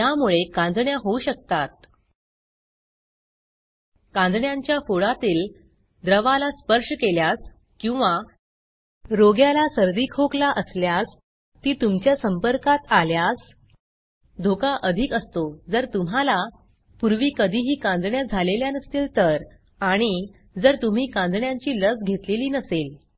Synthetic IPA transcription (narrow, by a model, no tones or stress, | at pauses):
jamuɭekãnd͡zɳjaɦouɕək̚t̪at̪̚ | kãnd͡z̪ɳjaɲt͡ɕjafoɽat̪iːl | d̪ɾəʋalaspəɾʂəkeljas | kĩw̃ʋa | ɾoɡjalasəɾd̪ikʰoklaʔəsljas | t̪iːt̪umt͡ɕjasəmpəɾkat̪aljas | d̪ʱokaʔəd̪ʱikəst̪od͡zəɾt̪um̤ala | puɾʋiːkəd̪ʱiːɦiːkãnd̪ɳjad͡zʱaleljanəst̪iːlt̪əɾ | aɽ̃i | d͡zəɾt̪um̤iːkãnd̪ʱɳjaɲt͡ɕiːləsɡʱet̪leliːnəsel